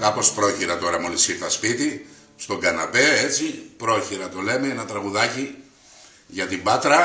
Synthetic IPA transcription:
kɐpo̞spɾo̞çiɾɐt̪o̞ɾɐmolisit̪ɐspit̪i | st̪o̞ɡɐnɐpe̞e̞t͡sipɾo̞çiɾɐt̪o̞le̞meenɐt̪ɾɐɣuðɐci | ʝɐt̪imbɐt̪ɾɐ

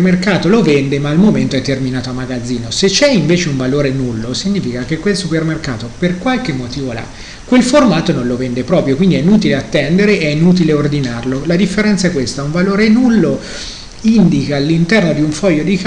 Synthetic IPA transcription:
merkaːt̪olovɛnd̪emaːlmoment̪oɛt̪ːerminaːt̪oamːaɡad̪zːiːnoset͡ʃːɛiɱveːt͡ʃeuɱvaloːɾenulːosiɲːiːfikak̟ekwelsupermerkaːt̪operkwalkemːot̪iːvola̰ | kwelformaːt̪onõnlovɛnd̪epɾɔːpɾjokwind̪iɛinuːt̪̬ileat̪ːɛnd̪eɾeʔɛinuːt̪̬ileord̪inarlolad̪ifːeɾɛnt̪saɛkːwest̪auɱvaloːɾenulːo | ind̪ikaːlːint̪ɛrnod̪iuɱfɔjːod̪ik

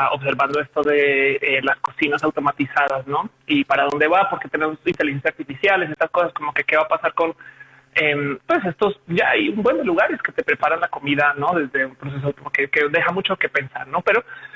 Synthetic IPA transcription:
o̞̰βs̬e̞ɾβand̪o̞e̞st̪o̞ðe̞elasko̞sinasawt̪o̞mat̪isaðasno̞ | ipaɾaðo̞nd̪e̞βapo̞ɾke̞t̪e̞ne̞mosint̪e̞lixensjaaɾt̪ifisjales̬e̞st̪asko̞sasko̞mo̞ke̞ke̞βapasaɾko̞n | empwe̞se̞st̪o̞sɟ͡ʝaajumbwe̞nd̪e̞luɣaɾe̞ske̞t̪e̞pɾe̞paɾanlako̞miðano̞ðe̞zðe̞umpɾo̞s̬e̞s̬oawt̪omkekeðe̞xamut͡ʃo̞ke̞pe̞nsa̰ɾno̞pe̞ɾo̞

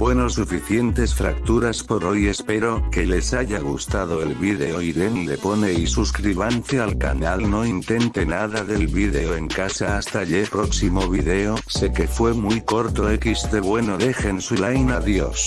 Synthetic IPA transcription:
bwenosufiθje̞nt̪e̞sfɾak̚t̪uɾaspo̞ɾo̞je̞spe̞ɾo̞ke̞le̞saʝaɣ̞ust̪að̞o̞elβiðe̞oiðe̞nile̞po̞ne̞isuskɾiβ̞anθealka̰nalno̞int̪e̞nt̪e̞naðaðe̞lβiðe̞oe̞ŋkasaːst̪aʎepɾo̞ksimo̞β̞iðe̞ose̞ke̞fwe̞mujko̞ɾt̪o̞ekizðe̞βwe̞noðe̞xe̞nsulajnaðjo̞̰s

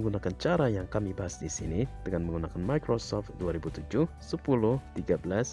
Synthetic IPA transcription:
əŋɡunakant͡ʃaɾajaŋkamibaɦasdisḭnid̥əŋanməŋɡunakanmajkɾosɔft̪̚duaɾibut̪ud͡ʒʊhsəpulʊht̪iɡabəlas

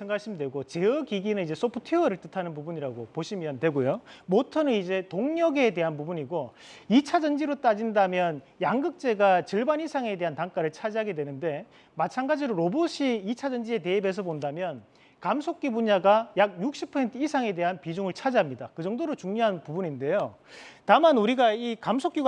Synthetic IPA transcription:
sʰeŋɡaɕ͈ʰimidwe̞ɡot͡ɕe̞ɯkiɡinɯnid͡ʑe̞s͈ʰopʰutʰiʌɾɯɭt͈ɯtʰanɯnpubuɲiɾaɡopoɕʰimjʌndwe̞ɡojomotʰʌnɯnid͡ʑe̞toŋɲʌɡe̞de̞ɦanpubuɲiɡo | it͡ɕʰad͡ʑʌnd͡ʑiɾot͈ad͡ʑindamjʌn | jaŋɡɯk̚t͡ɕ͈e̞ɡat͡ɕɯɭbanisʰaŋe̞de̞ɦantaŋk͈aɾɯɭt͡ɕʰad͡ʑɦaɡe̞dwenɯnde̞ | mat͡ɕʰanɡad͡ʑiɾoɾoboɕʰiːt͡ɕʰad͡ʑʌnd͡ʑie̞te̞ibe̞s̬ʰʌbondamjʌn | kamsʰok͈ibuɲaɡajak̚juk̚ɕ͈ʰipʰʌsentʰɯisʰaŋe̞de̞ɦanpid͡ʑuŋɯɭt͡ɕʰad͡ʑɦamɲidakɯd͡ʑʌŋdoɾot͡ɕuŋɲoɦanpubuɲinde̞jo | tamanuɾiɡaikamsʰok͈uɡ

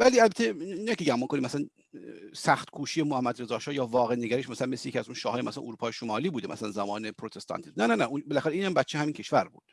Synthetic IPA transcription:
væliːælbæt̪ʰːeinɑjkʲeɟæmonŋkʰo̞nimʔæsælæn | sæxt̪kʰuːʃijemohæmːæd̪ɾezɒːʃɒːjɒːvɒːɣeneɡæɾiʃmæsælænmeslejeiæzunʃɒːhːjemæsælæ̰noɾuːpʰɒːjeʃomɒːliːbuːd̪emæ̰sælænzæmɒːnepʰɾot̪ʰest̪ʰɑ̰nt̪ʰiznænænæunbelæxæɾeiːnhæmbæt̪t͡ʃʰːehæmiːncʰe̞ʃvæɾbṵːd̪̥

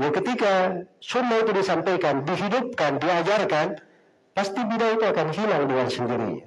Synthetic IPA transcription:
jakət̪ikasumbait̪udisampajkandiɦidup̚kandiad͡ʒarkan | past̪ibidait̪uakanɦilaŋduŋansəndiɾḭ

